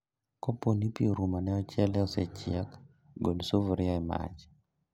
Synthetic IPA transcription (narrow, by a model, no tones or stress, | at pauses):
koponipioɾumanɛɔt͡ʃɛlɛɔset͡ʃɪak | ɡolsovɾɪaɛma̰t͡ʃ